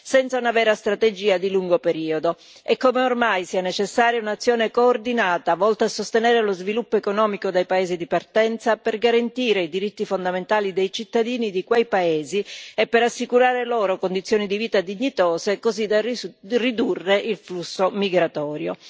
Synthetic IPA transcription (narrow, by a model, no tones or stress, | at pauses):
sɛnt̪saunavɛːɾast̪ɾat̪ed͡ʒiːad̪iluŋɡopeɾiːod̪o | ɛkːomeormajsiːanet͡ʃesːaːɾjaunat̪sːjoːnekoːrd̪inaːt̪avɔlt̪aasːost̪enɛːɾelozvilupːoekonɔːmikod̪ajpaeːzid̪ipart̪ɛnt̪saperɡaɾant̪iːɾeid̪iɾit̪ːifond̪ament̪aːlid̪ejt͡ʃit̪ːad̪iːnid̪ikwejpaeːziepːeɾasːikuɾaːɾeloːɾokond̪it̪sːjoːnid̪iviːt̪ad̪iɲːit̪ɔːzekozid̪arid̪urːeʔilflusːomiɡɾat̪ɔːɾjo̰